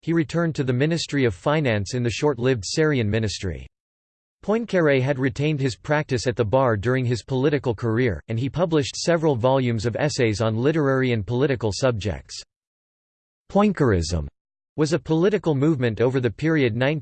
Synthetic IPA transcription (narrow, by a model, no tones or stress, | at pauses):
hiɹitʰɜ̃˞ntʰɨðɨmɪ̃nɨstɹ̥iʌv̥fãɪ̃næ̃nsɨ̃nðɨʃɔɹtˡlɪvd̥sɪɹiɨ̃nmɪ̃nɨstɹ̥ḭ | pʰɔ̃ɪ̃nkʰɛɹeɪɨd̚ɹitʰẽɪ̃nd̚ɨz̥pʰɹ̥æk̚tɨsɨt̪̚ðəbɑɹdʊɹɪ̃ŋɨz̥pʰəlɪɾɨkl̩ˠkʰə˞ɪɹɨ̃nipʰʌblɨʃtsɛvɹl̩ˠvɑlˠjʉ̃mzʌvɛseɪzn̩lɪɾə˞ɛɹiɨ̃npʰəlɪɾɨkl̩ˠsʌb̚d͡ʒɛ̰k̚ts | pʰɔ̃ɪ̃nkə˞ɪ̰zə̰̃m | wʌzɨpʰəlɪɾɨkl̩ˠmuvmɨ̃ntoʊvə˞ðɨpʰɪɹiɨdⁿnãɪ̃n